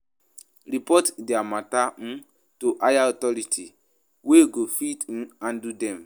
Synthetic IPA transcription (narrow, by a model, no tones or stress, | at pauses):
ɾipɔtdeamatan̩ | toʔajaɔtɔɾitʰi | weɡofitn̩an̩dudɛ̃m